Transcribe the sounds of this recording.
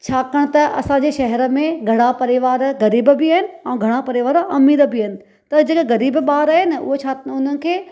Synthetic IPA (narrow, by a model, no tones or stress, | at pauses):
t͡ɕʰaːkɐɽ̃t̪ɐʔɐ̰sãɲd͡ʑeːʃɐɦɛɾə̆mẽɡʱɐɽ̃apɐɾɪʋaːɾɣɐɾiːbbɪaːɦɪnɪ̆ãːɡʱɐɽ̃apɐɾɪʋaːɾɐmiːɾəbɪːɦɪnɪ̆ | t̪ɐd͡ʑeːkeɣɐɾiːbɓaːɾaːɦɪnɪ̆ʔʊ̰ɦot͡ɕʰaːt̪nʊnənɪ̆kʰeː